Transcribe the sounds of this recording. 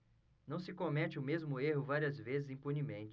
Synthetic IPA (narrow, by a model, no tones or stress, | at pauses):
nɐ̃w̃sɪkomɛt͡ʃɪʊmezmʊeɦʊvaɾiɐzvezɪzĩpunimẽnt͡ʃɪ